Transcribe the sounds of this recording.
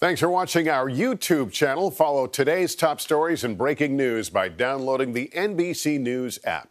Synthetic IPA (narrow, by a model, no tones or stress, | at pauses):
θæ̃ŋksfə˞wɑt͡ʃɪ̃ŋaʊə˞jʉtʰʉb̚t͡ʃʰænl̩ˠfɑlˠoʊtʰɨɾeɪz̥tʰɑpstɔɹizɨ̃nbɹeɪkɪ̃ŋnʉzbaɪdãʊ̃nloʊɾɪ̃ŋðiʔɛ̃nbisinʉzæ̰p̚